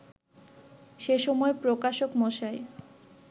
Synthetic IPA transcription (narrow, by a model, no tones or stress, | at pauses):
ʃeʃɔmɔepɾokaʃokmoʃae